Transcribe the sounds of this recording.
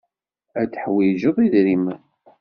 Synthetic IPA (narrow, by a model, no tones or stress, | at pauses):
æt͡sːħwiʒəðˤiðɾim